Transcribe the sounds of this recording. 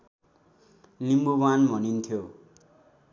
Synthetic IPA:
nimbubanbʱʌnint̪ʰjo

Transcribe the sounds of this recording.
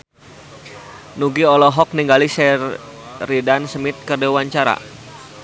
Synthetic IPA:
nuɡiɔlɔɦɔk̚niŋɡalisɛ | ridansəmɪt̪̚kərdewaɲt͡ʃaɾa̰

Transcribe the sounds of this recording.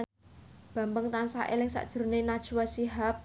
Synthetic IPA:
b̥a̤mbəŋt̪ansa̰ʔḛlɪŋsa̰ʔd̥ʒ̥əɾnenad̥ʒ̥uwasiɦap̚

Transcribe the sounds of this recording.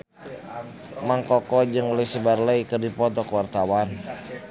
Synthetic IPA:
maŋkɔkɔd͡ʒɨŋləsəbarləikərdipɔt̪ɔkəwart̪awan

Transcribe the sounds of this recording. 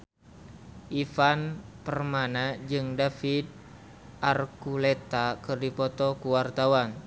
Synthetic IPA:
ʔifanpərmanad͡ʒɨŋdafid̪̚ | ʔarkulet̪akɨrdipɔt̪ɔkuwart̪awan

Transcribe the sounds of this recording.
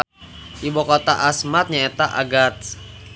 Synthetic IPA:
ʔibokɔt̪a̰ʔasmat̪̚ɲaɛt̪aʔa̰ɡat̪

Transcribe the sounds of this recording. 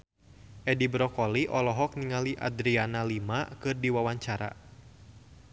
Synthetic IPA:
ʔɛdibɾɔkɔliʔɔlɔɦɔk̚niŋaliʔa̰d̪ɾianalimakɨrdiwawaɲt͡ʃaɾa̰

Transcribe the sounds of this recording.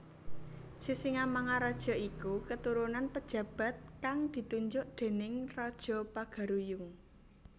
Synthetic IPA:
sisiŋamaŋaɾad̥ʒ̥ɔ̤ikukət̪uɾunanpəd̥ʒ̥ä̤b̥ä̤t̪̚kaŋd̪̥i̤t̪uɲd͡ʒʊʔd̪̥e̤nɪŋrad̥ʒ̥ɔ̤paɡ̥a̤ɾujʊŋ

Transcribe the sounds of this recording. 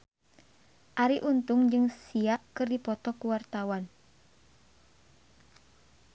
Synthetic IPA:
ʔaɾiʔunt̪ʊŋd͡ʒɨŋsiaʔkɨrdipɔt̪ɔkuwart̪awan

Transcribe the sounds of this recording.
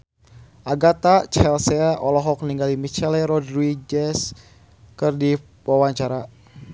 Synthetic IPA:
ʔaɡat̪at͡ʃɛlsɛaʔɔlɔɦɔk̚niŋɡalimit͡ʃɛlɛɾɔdɾid͡ʒɛs | kɨrdi | wawaɲt͡ʃaɾa

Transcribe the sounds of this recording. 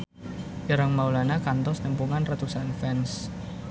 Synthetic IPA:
əɾəŋmaulanakant̪ɔsnəmpuŋanrat̪usanfɛns

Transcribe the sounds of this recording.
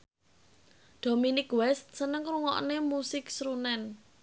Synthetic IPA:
d̪̥ominɪkwɛst̪̚sənəŋɾuŋɔ̰ʔnemusɪksɾunɛn

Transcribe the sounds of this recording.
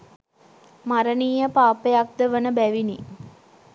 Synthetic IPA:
maɾəniːjəpaːpejak̚d̪əʋənəbæʋini

